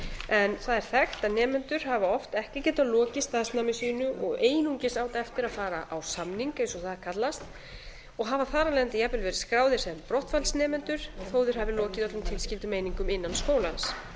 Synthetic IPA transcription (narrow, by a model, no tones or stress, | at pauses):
ɛnθaðɛɾ̥θɛxt̪anɛːmɛnt̪ʏɾ̥havaɔft̪ɛhcɪcɛːt̪alɔːcɪst̪aːðsnamɪsinʏʔɔɣeːjnuɲcɪsaːwt̪aɛft̪ɪɾaðfaːɾaʔawsamniŋkejnsɔθaðakʰat̪last̪ | ɔɣɦaːvaθaːɾalɛːðant̪ɪjɛpɪlvɛːɾɪskɾaːwðɪ̥sɛmpɾɔht̪falsnɛːmɛnt̪ʏɾ̥θoːwðʏɾ̥havɪlɔːcɪðɔt̪lʏmt̪ʰɪlscɪlt̪ʏmeːjniŋkʏmɪnːanskoːwlans